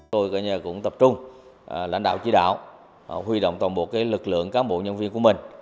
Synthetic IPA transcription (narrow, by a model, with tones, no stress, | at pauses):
o˧jka̰ː˧˨ɲaː˧˩kʊ̰˧˥ŋ͡mt̪ə˨˩p̚t͡ɕʊ˧ŋ͡mla̰˧jŋ̟ɗa̰ː˧˨wt͡ɕi˧˦ɗa̰ː˧˨w | hwi˧ɗo̰˧˨wŋ͡mt̪waː˨˩nɓo˨˩kaː˨˦jlɨ˨˩k̚lɨ̰˧˨əŋkaː˨˦mɓo̰˧˨ɲə˧nvi˧ənku˧˩əmï˨˩ŋ̟